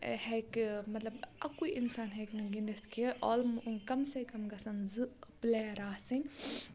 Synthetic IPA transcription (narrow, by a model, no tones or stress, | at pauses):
hɛkmɐt̪lɐbɐkuiʔinsaːnɦɛːknuɡindɐst̪kiɐʔɔːlmkɐmsekɐmɡɐsɐnzɨblɛːɾaːsinʲ